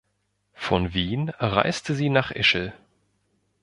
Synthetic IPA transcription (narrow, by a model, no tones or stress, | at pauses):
fɔnviːnʁa̰ɪstʰəziːnaːχʔɪ̰ʃl̩